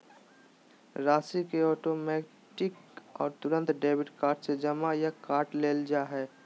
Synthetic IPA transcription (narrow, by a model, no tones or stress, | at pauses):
ɾaːsikeɔːʈoːmɛː | ʈɪkɔːɾt̪ʊɾə̃nt̪ɖeːbɪʈkaːɾʈsed͡ʒɐmajakaːɾʈleːld͡ʒaːɦɛː